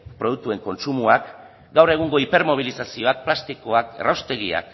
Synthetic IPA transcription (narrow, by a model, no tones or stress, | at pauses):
pɾo̞ð̞uk̚t̪ue̞ŋko̞nsumuak | ɡawre̞ɣ̞uŋɡo̞ipe̞ɾmo̞β̞ilisasio̞ak̚plast̪ikoakerawst̪e̞ɣia̰k